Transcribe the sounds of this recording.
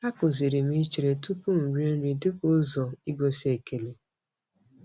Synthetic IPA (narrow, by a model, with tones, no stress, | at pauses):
a˦kʊ˨zi˨ɾi˨mi˦t͡ʃe˨ɾe˨tu˦pu˦m̩˨ɾje˦n̩˦ɾi˨dɪ˦kʊ˦zɔ˨i˦ɡo˦si˦e˨ke˨le˨